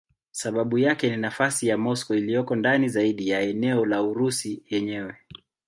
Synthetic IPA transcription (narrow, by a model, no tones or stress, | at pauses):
saɓaɓujakɛninafasijamɔskɔilijɔkɔndanizaiɗijaɛnɛɔlauɾusijɛɲɛwɛ